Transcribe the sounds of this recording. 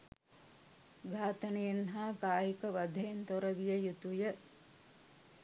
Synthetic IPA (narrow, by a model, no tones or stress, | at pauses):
ɡʱaːt̪ɐnejenɦaːkaːjikəʋɐd̪ʱejent̪oɾɐʋijəjut̪ujə